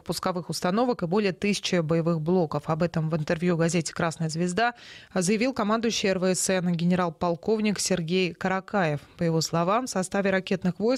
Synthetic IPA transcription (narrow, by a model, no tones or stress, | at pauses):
pʊskɐvɨxʊst̪ɐno̞vəkɨbo̞lʲɪjət̪ɨsʲɪ̥t͡ɕɪbəjɪvɨxblˠo̞kəfɐbɛt̪əmvɨnt̪ɨrvjuɡɐzʲetʲɪ̥kɾasnəjəzvʲɪzd̪azəjɪvʲilˠkɐmand̪ʊʏɕːɪɛrvəɛsɛnɡʲɪnʲɪɾalˠpɐlˠko̞vnʲɪksʲɪrɡʲejkəɾɐkajɪfpəjɪvo̞slˠɐvamfsɐst̪avʲɪɾɐkʲe̞t̪nɨxvo̞js